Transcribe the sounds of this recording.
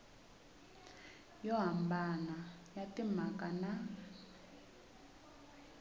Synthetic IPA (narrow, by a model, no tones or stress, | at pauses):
jɔɦambanajatim̤akʼana